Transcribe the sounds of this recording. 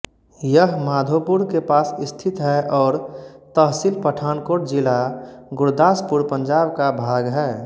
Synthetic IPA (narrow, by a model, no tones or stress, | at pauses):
jəɦmaːd̪ʱopʊɾkepaːsɪst̪ʰɪt̪ɦɛʔɔːɾt̪əɦsilpəʈʰaːnkoːʈ̚d͡ʒɪlaɡʊɾd̪aːspʊɾpə̃ɲd͡ʒaːbkabʱaːɡɦɛː